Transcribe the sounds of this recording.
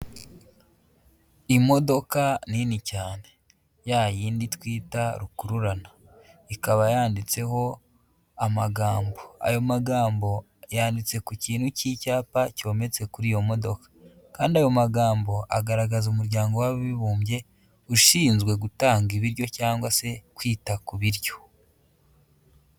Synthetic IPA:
imo̞do̞kaninicaːne̞ | jajiːnditwiːtaɾukuɾuɾana | ikaβajaːndit͡se̞ho̞ | amaɡaːmbo̞a̰jo̞maɡaːmbo̞ | jaːndit͡se̞kuciːn̥hucicaːpaco̞ːme̞t͡se̞kuɾijo̞mo̞do̞kḁ | kaːndiajo̞maɡaːmbo̞ʔaɡaɾaɡazumuɾɟaːŋɡo̞waiβuːmbje̞ | uʃiːnzɡwe̞ɡutaːŋɡiβiɾjo̞caːŋɡwase̞kwiːtakuβiɾjo̞

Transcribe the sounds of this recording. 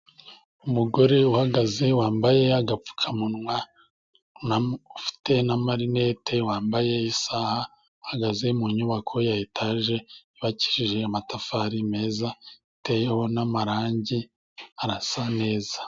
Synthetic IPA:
umuɡo̞ɾe̞uhaɡaze̞waːmbaje̞aɡap͡fu̥kʰamunŋwa | naufi̥te̞namaɾine̞tʰe̞waːmbaje̞isaha | uhaɡaze̞muɲuβakʰo̞jajitʰaʒe̞iβaci̥ɾiʒe̞amatafaɾime̞ːzaitejeho̞namaɾaːɲɟi | aɾasane̞ːza

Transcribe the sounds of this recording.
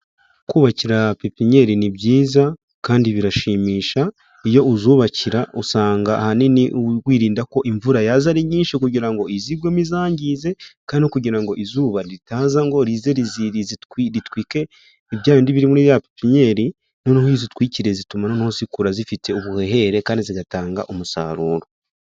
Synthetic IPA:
kuːβaciɾapipiɲe̞ɾinibɟiːza | kaːndiβiɾaʃiːmiːʃa | ijo̞uzuːβaciɾausaːŋɡaʔahaniniwiːɾiːndako̞ʔiɱvuɾajazaɾiɲiːnʃikuɟiɾaŋɡo̞iziɡɡwemizaːɲɟize̞kaːndiikuɟiɾaŋɡo̞ʔizuːβaɾiɾitaːzaŋɡo̞ɾize̞ɾiziiziiɾitwiːke̞ | iβjaːindiβiɾimuniɾiapipiɲe̞ɾi | nonahizitwiːciɾe̞zitumanonahozikuɾazifitʰe̞uβuhe̞ɦe̞ɾe̞kaːndiziɡataːŋɡa̰ʔumusa̰ːɾuːɾo

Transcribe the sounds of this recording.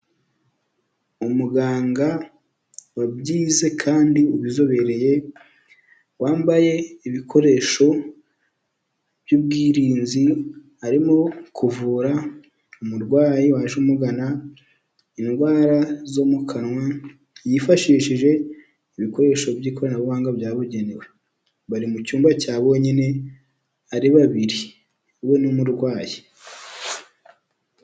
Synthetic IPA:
umuɡaːŋɡa | wabɟiːze̞kʰaːndiuβizo̞βe̞ɾe̞je̞ | waːmbaje̞iβikʰo̞ɾe̞ʃo̞ | b̥juːb̚ɡiːɾiːnzihaɾimo̞kʰuvuɾa | umuɾɡwaːjiwaʒumuɡana | inɡwaːɾazo̞mukʰanŋwa | jifaʃiːʃiʒe̞ | iβiko̞ɾe̞ʃo̞bjiːko̞ɾanaβuβaːŋɡabjaːβuɟe̞newe | βaɾimucuːmbacaːβo̞ɲine̞ | aɾiβaβiɾi | we̞numuɾɡwaːji

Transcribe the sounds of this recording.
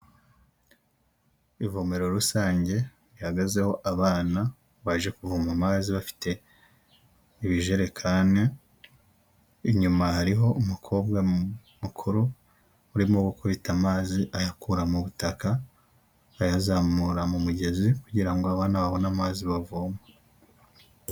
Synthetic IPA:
ivome̞ɾo̞ɾusaːɲɟe̞ | βihaɡaze̞ho̞ʔaβaːna | βaʒe̞kuvumamaːziβafi̥tʰe̞ | iβiʒe̞ɾe̞kʰaːne | ɲumahaɾiɦo̞ʔumukʰo̞ːbɡa | mukʰuɾo | uɾimoɡukuβitamaːziʔajakuɾamuβutakaː | jazamuɾamumuɟe̞zikuɟiɾaŋɡoaβaːnaβaβo̞namaːziβavuma

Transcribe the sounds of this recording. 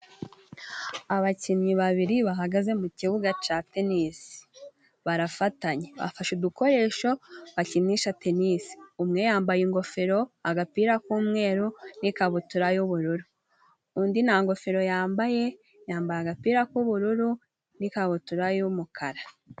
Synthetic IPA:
aβacinɲiβaβiɾiβaɦaɡaze̞muciβuɡat͡ʃatenisi̥ | βaɾafataɲeβa̰faʃuduko̞ɾe̞ːʃo̞βaciniʃate̞nisi̥umŋe̞jaːmbajiŋɡo̞fe̞ɾo̞aɡapiːɾakuːmŋe̞ːɾunikaβutuɾajuβuɾuɾu | undinaŋɡo̞feɾo̞jaːmbaje̞ | jaːmbajaɡapiːɾakuβuɾuɾu | nikaβutuɾajumukʰaɾa

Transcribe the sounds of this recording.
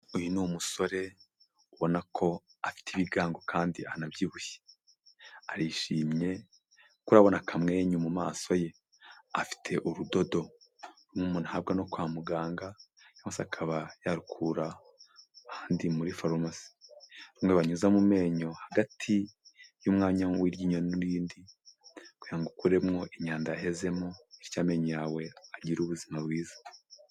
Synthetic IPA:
ujunumuso̞ɾe̞ | uβo̞nakʰo̞ | afi̥tiβiɡaːŋɡo̞kʰaːndianabjiːβuçe̥ | aɾiʃiːmɲe̞ | kuɾaβo̞nakamŋe̞ɲumuma̰ːso̞je̞ | afi̥tʰe̞ʔuɾudo̞do̞ɾumŋumuːnuhab̚ɡano̞kwamuɡaːŋɡa | amasakʰaβajaɾukʰuɾa | haːndimuɾifaɾomasi̥ɾumŋeβaɲuzamume̞ːɲo̞haɡatʰijuːmŋaːɲawiɾɟiːɲonuɾiːndi | kujaŋɡukuɾe̞mŋo̞ʔeɲaːndaaɦe̞ze̞moeɾcaːme̞ːɲojaːwe̞aɟiɾuβuzimaβɡiːzḁ

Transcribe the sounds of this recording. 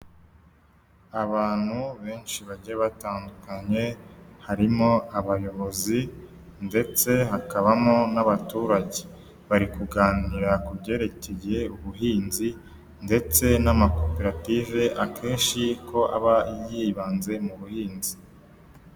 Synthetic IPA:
aβaːn̥huβe̞ːnʃiβaɟeβataːndukaɲe̞haɾimo̞aβajo̞βo̞zi | nde̞t͡se̞ɦakaβamo̞naβatuːɾaɟe | βaɾikuɡaːniɾakubɟe̞ːɾe̞ceje̞uβuɦiːnzi | nde̞t͡se̞namako̞pe̞ɾative̞ʔakʰe̞ːnʃikʰo̞ʔa̰βaijiβaːnze̞muβuhiːnzi̥

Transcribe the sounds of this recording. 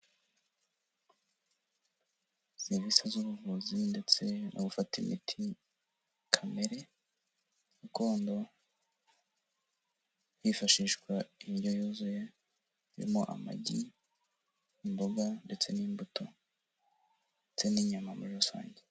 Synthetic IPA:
z̥iβisazuβuvuzinde̞t͡se̞nʔo̰ɡufatimḭtʰi | kʰame̞ɾe̞ | uko̞ːndo | jifaʃiʃɡwaiɟojuːzuje | iɾḭmo̞ʔa̰ma̰ɟi | mboɡande̞t͡se̞niːmbutʰo | ndet͡se̞niːɲamamuosa̰ːɲɟe

